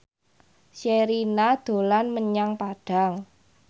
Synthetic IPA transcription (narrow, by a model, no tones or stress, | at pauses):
ʃeɾinad̪̥o̤lanməɲaŋpaɖ̥a̤ŋ